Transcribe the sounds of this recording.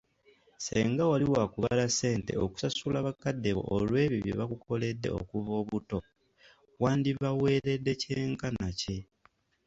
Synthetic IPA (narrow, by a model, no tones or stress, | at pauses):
seːŋɡawaliwakuβalase̞ːnte̞̰o̰ku̥sasulaβakadːeβo̞̰ʔolwe̞ːβiβjḛβakuko̞le̞dːe̞̰o̰kuvo̞ːβuto̞ | waːndiβawe̞ːɾe̞dːe̞ce̞ːŋkanace̞